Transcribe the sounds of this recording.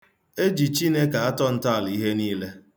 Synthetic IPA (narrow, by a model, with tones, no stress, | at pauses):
e˦d͡ʒi˨t͡ʃi˦ne˦ka˨a˦tɔ˦n̩˦ta˦˨li˦ɦe˦niː˦le˦